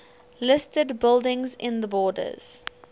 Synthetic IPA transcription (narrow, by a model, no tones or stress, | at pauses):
lɪstədbɪlˠdɪ̃ŋzɪ̃nðəbɔːdə̰z̥